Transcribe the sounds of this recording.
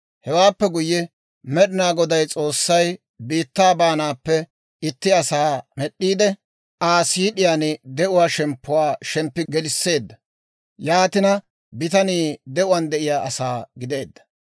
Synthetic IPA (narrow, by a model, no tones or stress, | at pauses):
hɛwaːpːɛɡʊjːɛ | mɛɗɪnaːɡɔd̪ɐjt͡sʼo̞ːsːɐj | biːt̪ːaːbaːnaːpːɛ | ɪt̪ːɪɐsaːmɛɗːiːd̪ɛ | ʔaːsiːɗɪjaːnɪd̪ɛʔʊwaːʃɛmpːʊwaːʃɛmpːɪɡɛlɪsːe̞ːd̪ːɐ | jaːt̪ɪnɐ | bɪt̪ɐniːd̪ɛʔʊwɐnd̪ɛʔɪjaːʔɐsaːɡɪd̪e̞ːd̪ːɐ̥